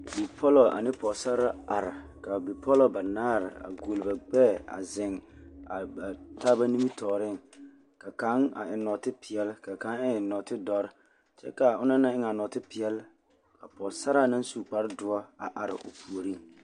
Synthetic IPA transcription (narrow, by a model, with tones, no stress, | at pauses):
bi˨pʰɔ˦lɔ˨a̰˨nɪ˦pɔ˨sa˦ɾa˦a˨ɾa˨ka˨bi˨pʰɔ˦lɔ˨ba˨naː˦ɾɪ̰˨a̰˨ɡo˨lba˨ɡ͡bɛː˦˨a̰˨zɪ˨ŋa˨ba˨taː˦ba˦ni˦mi˦tɔː˨ɾɪ˦˨ŋ | ka˨ka˨˦ŋa̰˨ɪ˨nɔ˨tɪ˦pɪ˨ɛ˦lka˨ka˨˦ŋɪ˦ɪ˨nɔ˨tɪ˦dɔ˦ɾɪ˦ | t͡ʃɛ̰˦ka˨ʊ˦na˦na˦ɪ˦ŋa˨nɔ˨tɪ˦pɪ˨ɛ˦l | kʰa˨pɔ˨sa˦ɾa˦na˦n˦suː˦˨k͡pa˦ɾɪ˦dʊ˦a˦a̰˨ʔa˨ɾɪ̰˨ʔʊ̰˨pu˨o˨ɾi˦˨ŋ